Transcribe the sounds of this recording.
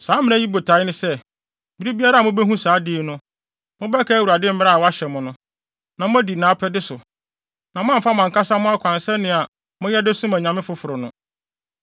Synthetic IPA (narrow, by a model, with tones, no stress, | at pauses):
saː˨˦mɪ̃˦n˦æ̃˦ji˦bo˨tʰa˨˦nɪ̃˦sɛ˦˨ | bi˦ɾi˦bi˦a˦ɾa˦˨mʊ̃˦bɛ˦ɦũ˦saː˨˦dɪ˦nʊ̃˦ | mʊ̃˦bɛ˦kʰɛ˦æ˨wu˨ɾa˨dɪ˦m̩˦mɪ̃˦ɾa˦a˨wɔ˦a˦ɕɛ˨mʊ̃˦nʊ̃˦ | nã˨mʊ̃˦æ˦di˨nãː˨˦pʰɛ˦dɪ˦sʊ˨ | nã˨mʊ̃˦ã˦m˨fa˦mã˨ŋ˨kʰa˦sa˦mʊ̃˦a˦kʷʰã˨nsɛ˦nɪ̃˨a˨ | mʊ̃˦jɛ˦dɪ˦sʊ̃˦mã˨ɲã˨mɪ̃˦fʊ˨fʊ˨ɾʊ˨nʊ̃˦